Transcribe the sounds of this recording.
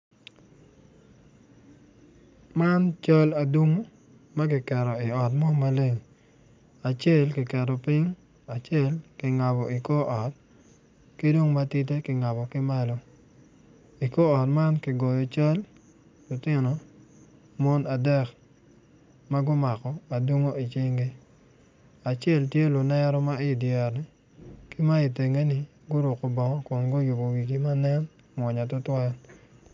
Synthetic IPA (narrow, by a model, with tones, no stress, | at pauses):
ma˦nt͡ʃɔ˦la˨du˦ŋu˦ | mɐ˦ɡɪ˨kɛ˨ɾɔ˨ɪ˨ɔ˨tmɔ˦ma˦le˦ŋ˨ | a˨t͡ʃe˦˨lkɪ˨kɛ˨dɔ˨pɪ˦ŋ | a˨t͡ʃe˦˨lkɪ˨ŋa˨bɔ˨ɪ˨ko˦ʔɔ˨t̚ | ki˦do˦ŋma˦ti˦t̬e˦kɪ˨ŋa˨bɔ˨kɪ˦ma˦lɔ˦ | i˨ko˦ɔ˨tma˦nkɪ˨ɡɔ˨jɔ˨t͡ʃo˦l | lʊ˨tɪ˦nɔ˨ | mɔ˦na˨dɛ˦˨k | ma˦ɡʊ˦ma˨kɔ˨a˨du˦ŋo˦i˨t͡ʃɪ˦ŋɡe˦ | a˨t͡ʃjɛ˦˨ltje˦lʊ˨nɛ˦ɾɔ˦ma˦ɪ˦djɛ˨ɾnɪ˨ | kɪ˦ma˦i˨te˨ŋe˦nɪ˦ | ɡʊ˦ɾʊ˨kɔ˨bɔ˨ŋɔ˦kʊ˨nɡʊ˦jʊ˨bo˨ɡi˨ɡi˦ma˦nɛ˦n | mwɔ˨ɲa˨tʊ˦twa˦l